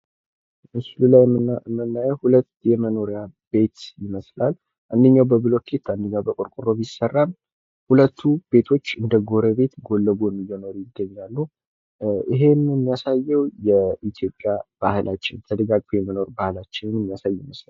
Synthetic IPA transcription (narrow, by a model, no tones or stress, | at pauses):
ɨsɨlulajmːɨnːajɛwhulət̪ːjɛməno̞ɾjabe̞t̪jɪməslal | ʔand̪əɲːawbəβɨlo̞k̪ʰet̪ːand̪əɲːawbəkʼʊɾkʼʊɾoβjɪsərːam | hulət̪ʰːub̥e̞t̪ʰo̞t͡ʃːɨnd̪əɡo̞ɾəβe̞t̪ɡo̞lːəɡojmɨjɛno̞ɾjɪɡːəɲːalːu | iɦe̞nɨnɪmːijasajːɛwjɛit̪ʰjo̞pʼːjab̥ahlʔat͡ʃːɪ̰nt̪ʰəd̪əɡaɡfojɛməno̞ɾbahlat͡ʃːɪnɨnmːijasajjɪməslal